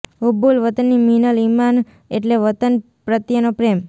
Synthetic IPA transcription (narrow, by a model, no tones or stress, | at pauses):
ubulʋət̪ənːiminəliman | eʈleʋət̪ən | pɾət̪jənopɾem